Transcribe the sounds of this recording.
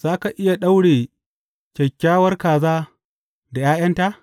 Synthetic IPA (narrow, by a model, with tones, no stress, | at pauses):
z̥aː˦ka˨ʔɪ˦ja˨ɗa˦wɽeː˨ | kʲɛ˨kʲːaː˦wɐ˦rkaː˨zaː˦ | da˨jaː˦jɐ˦nta˦ʔ